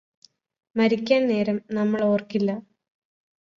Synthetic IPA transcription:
mɐɾikʲːaːnne̞ːɾɐmnɐmːɐɭo̞ːrkilːɐ

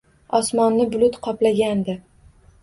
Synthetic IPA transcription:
ɒsmɒnːɪbʊlʊt̪qʰɒplaɡʲand̪ɪ

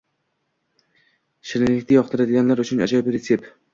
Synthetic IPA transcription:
ʃɪɾɪŋlɪkʲt̪ʰajɒχt̪ʰɪɾad̪ɪɡʲanlaɾʊt͡ʃʰʊna̰d͡ʒɒbɾesʰep

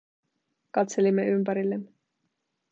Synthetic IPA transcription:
kɑt̪se̞limːeympæɾilːemːe

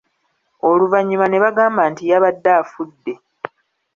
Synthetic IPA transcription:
oluvaɲːimane̞βaɡaːmbaːntijaβadːaːfudːe̞

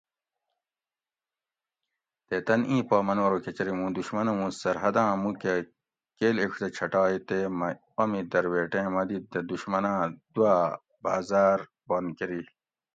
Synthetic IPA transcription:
t̪et̪ɐnĩːpɑːmɐnwɐɾoket͡ɕɐɾimũːd̪uɕmɐnɐmũsɐɾɦɐd̪ãːmũke | keːlekʰd̪ɐt͡ɕʰɐʈɑːit̪emɐ | ɐmid̪ɐɾweːʈẽːmɐd̪id̪ɐd̪uɕmɐnãːd̪ua | baːzaːɾ | bɐnkeɾi

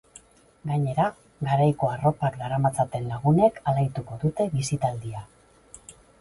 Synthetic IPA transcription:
ɡaɲe̞ɾa | ɡaɾajko̞aro̞pakɡaɾamat͡sat̪e̞nlaɣ̞une̞kalajt̪uko̞ðut̪e̞βisit̪ald̪ia

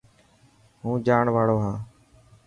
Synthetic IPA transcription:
ɦũːd͡ʒaːɳʋaːɽoːɦaː

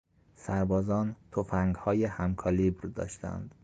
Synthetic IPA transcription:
sæɾbɒːzɒːnt̪ʰofæŋɡhɒːjehæmkʰɒlibɾd̪ɒ̰ːʃt̪æ̰nd̪̥

